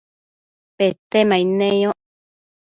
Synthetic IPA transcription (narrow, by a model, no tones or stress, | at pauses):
pet̪emãinẽjõ